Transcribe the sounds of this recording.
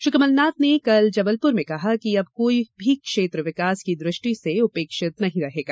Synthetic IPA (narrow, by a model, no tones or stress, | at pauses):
ʃʊkɐməlnaːt̪nekɐld͡ʒɐbəlpʊɾmẽkɐɦakiɐb̚koːibʱikʃeːt̪ɾəʋɪkaːskid̪ɾɪʃʈiseʊpeːkʃɪt̪nɐɦĩɾɐɦeːɡaː